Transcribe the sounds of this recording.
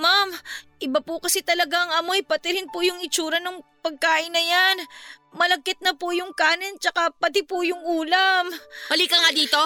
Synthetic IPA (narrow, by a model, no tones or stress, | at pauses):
mamʔɪbapʊkɐsɛt̪ɐlɐɡaŋɐmo̞jpɐt̪ɪɾɪnpʊjʊŋɪt͡ʃuːɾɐnʊŋpɐɡ̚kaːʔɪnːɐjan | mɐlɐɡ̚kɪt̪̚nɐpʊjʊŋkaːnɪnt͡ʃɐkapɐt̪ɪpʊjʊŋʔuːlɐmmɐliːkɐŋad̪iːt̪o̞